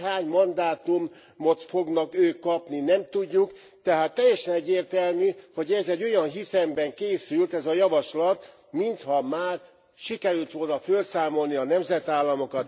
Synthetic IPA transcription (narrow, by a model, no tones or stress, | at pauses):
ɦaːɲmɒnd̪aːt̪umː | ot̪fo̞ɡnɒkøːkːɒpninɛmt̪uɟːuk | t̪ɛɦaːt̪ːɛjːɛʃɛnɛɟːeːrt̪ɛlmyho̞ɟɛzɛɟːo̞jɒnɦisɛmbɛŋkeːsylt̪ɛzɒjɒvɒʃlɒt̪ | mint̪hɒmaːr | ʃikɛɾylt̪ʋo̞lnɒfølsaːmo̞lniɒnɛmzɛt̪aːlːɒmo̞kɒt̪